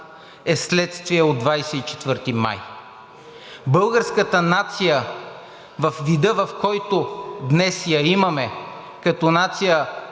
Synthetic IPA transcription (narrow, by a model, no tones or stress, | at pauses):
ɛslɛt̪st̪viɛod̪vajsɛit͡ʃɛ̥t̪vəɾt̪ima̰j | bɤlˠɡəɾskət̪ənat̪sijə | vɐfvid̪əvɐfkɔjt̪ʊd̪nɛsjaimɐmɛ | kɐt̪ɔnat̪sijə